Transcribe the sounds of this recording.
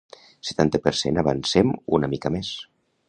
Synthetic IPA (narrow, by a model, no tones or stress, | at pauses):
sə̥t̪ant̪əpəɾsḛnəβə̰nsemunəmikəmes